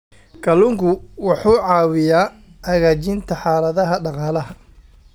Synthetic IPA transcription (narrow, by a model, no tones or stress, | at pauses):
kʰɐlʊŋkʰʊwɑħuːʕɑːwɪjaː | hɐɣaːt͡ʃɪnt̪ʰɐħɑːlɐðɐɦɐɖɑqɑːlɐɦɐ